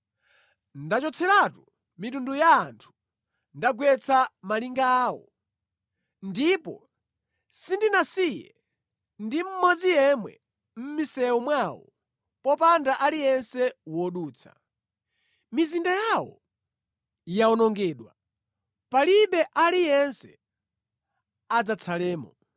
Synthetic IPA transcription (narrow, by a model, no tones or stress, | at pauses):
ndat͡ʃɔt͡sʰɛɾatu | mitundujaːntʰu̥ | ndaɡwɛt͡sʰamaliŋɡaːwɔ̰ | ndipɔ̰ | sindinasijɛ̰ | ndim̩mɔd͡zijɛmwɛ̰ | m̩misɛwɔmwawɔ̰ | pɔpandaʔalijɛnsɛwɔɗuːt͡sʰḁ̰ | mizindajawɔ̰ | jaɔnɔŋɡɛːɗwa | paliɓɛʔalijɛnsɛ | ad͡zat͡sʰalɛːmɔ